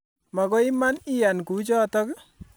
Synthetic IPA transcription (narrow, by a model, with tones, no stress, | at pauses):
ma˨kɔ˦i˦ma˦ni˦ja˨nku˨˦t͡ʃɔ˦tɔ˦k